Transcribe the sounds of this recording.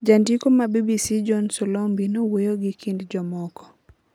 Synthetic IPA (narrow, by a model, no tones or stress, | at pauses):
d͡ʒandikomabibisid͡ʒɔnsɔlombinowojoɡikindd͡ʒɔmɔkɔ̥